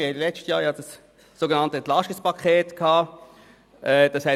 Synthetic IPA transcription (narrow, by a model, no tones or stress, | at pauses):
ɪɛdlɛt͡ʃtəjɑːjɑd̥ɑsː | oɡənɑntəɛnt̪lɑʃtispɑkʰχeːtkʰɑː | ʔɛːd̥ɑshɛ